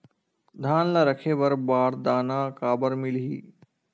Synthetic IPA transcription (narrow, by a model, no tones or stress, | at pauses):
d̪ʱaːnlaːɾəkʰeːʋəɾbaːɾd̪aːnaːkaːbəɾmɪlɦḭː